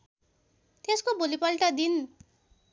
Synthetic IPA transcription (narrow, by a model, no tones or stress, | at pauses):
t̪eskobolipʌlʈʌd̪in